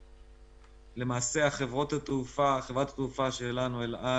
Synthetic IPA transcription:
le̞maːse̞aχevʁot̪at̪ufaχevʁat̪ḁt̪ufaʃelanuelʔa

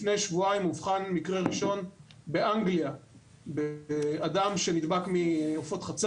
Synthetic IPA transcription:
fne̞jʃvuaimuvχanmikʁeʁiʃo̞nbe̞ʔaŋɡlia | beeadamʃe̞nid̪bakmiofo̞t̪χat͡s

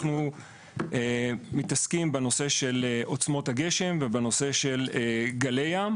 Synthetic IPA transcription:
χnu | emitaskimbeno̞se̞ʃe̞leʔo̞t͡smo̞thaɡe̞ʃe̞mvebeno̞se̞ʃe̞leɡaleja

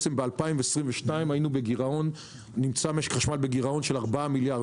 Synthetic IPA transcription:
t͡sembealpaimveesʁimveʃtaimajinubeɡiʁao̞nː | imt͡sameʃχaʃmalbeɡiʁao̞nʃelaʁbaamilja

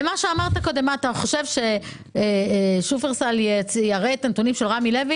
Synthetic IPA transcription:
maʃeamaʁt̪ako̞de̞mat̪aχo̞ʃe̞vʃe̞ | ʃufeʁsaljet͡sjaʁet̪ant̪unimʃelʁamile̞vi

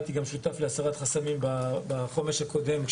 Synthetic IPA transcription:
t̪iɡamʃut̪afleasaʁat̪χasamimbabaχo̞meʁʃhakʰo̞d̪e̞mk

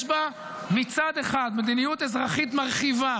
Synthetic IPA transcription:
ʃba | mit͡sad̪eχad̪med̪inijut̪ezʁaχit̪maʁχiva

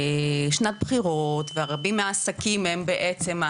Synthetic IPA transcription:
ʃnat̪̚bχiʁotveaʁabimeaːsakimembeʔet͡se̞ma

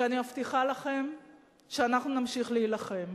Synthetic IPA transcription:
animaft̪iχalaχe̞m | ʃeanaχnunamʃiχleilaχe̞m

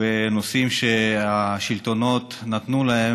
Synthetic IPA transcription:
enosimʃeaʃilt̪o̞no̞t̪nat̪nulaɦe

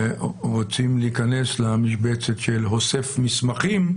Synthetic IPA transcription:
ʁot͡simleikane̞slamiʃbet͡setʃelɦosefmismaχim

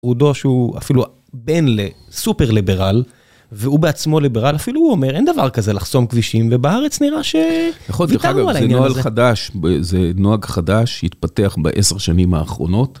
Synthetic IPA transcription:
ʁud̪o̞ʃeua̰filu | benlesupe̞ʁlibe̞ʁal | veubeat͡smo̞libeʁalafiluhuome̞ʁend̪avaʁkaze̞laχso̞mkviʃimvebaaʁet͡sniʁaʃe̞naχonvitaaɡavualaiennoalχadaʃbezenoaɡχadaʃḭt̪pat̪e̞aχba̰ʔeseʁʃanimhaːχʁo̞̰no̞t

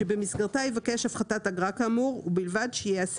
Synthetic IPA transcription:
ebemisɡaʁtajevake̞ʃafχatataɡʁakamuʁubilvadʃejeas

